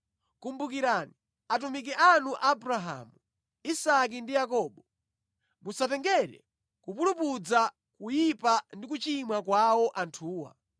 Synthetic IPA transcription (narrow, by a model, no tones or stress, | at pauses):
kumbukiɾani | at̬umik̬ɛʔanuʔabɾaɦa̰ːmu | isak̬indijakɔːɓɔ | musatɛŋɡɛɾɛ̰ | kupulupud͡za | kujipandik̬ut͡ʃimwakwawɔʔantʰuːwa̰